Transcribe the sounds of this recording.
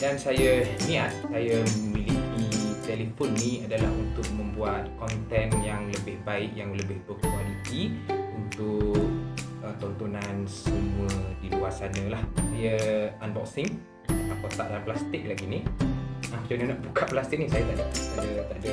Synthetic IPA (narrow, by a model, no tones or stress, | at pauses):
dansajəmiat̪̚sajəmilihdit̪ɛlifɔnːiadalahunt̪ʊk̚mə̃mbuat̪̚kɔnt̪ɛnjaŋləbɪhbaɪkjaŋləbɪhbəkialit̪iunt̪ʊk | ət̪ɔnt̪unansəmuuədiluasanə̃lahsajəanbɔksɪŋ | at̪akot̪aʔ̚daplast̪ɪk̚laɡini | at͡ʃunənaʔbukaʔplast̪ɪk̚nisajat̪aʔadət̪aʔdə